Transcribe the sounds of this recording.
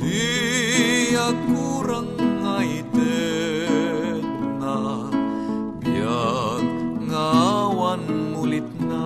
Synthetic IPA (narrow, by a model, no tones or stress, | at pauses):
d̪i | jakuɾaŋːait̪ə | na | bia | ŋawanŋulit̪̚na